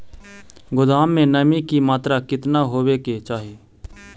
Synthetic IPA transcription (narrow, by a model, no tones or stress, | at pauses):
ɡʊd̪aːmːẽnəmikimaːt̪ɾakɪt̪naɦoːweket͡ʃaːɦieː